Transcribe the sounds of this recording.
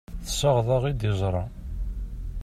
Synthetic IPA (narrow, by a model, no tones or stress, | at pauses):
θəsɑʁðˤɑʁid̪ɪzˤɾˤɑ